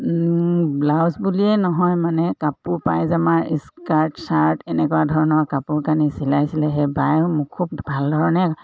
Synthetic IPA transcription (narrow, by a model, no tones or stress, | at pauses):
blawzbuliɛnɔɦɔjmanɛkapuɹpajzamaɹiskaɹtsaɹtɛnɛkuadʱɔɹɔnɔɹkapuɹkanisilajsilɛɦɛbajmʊkʰːub̚bʱaldʱɔɹɔnɛ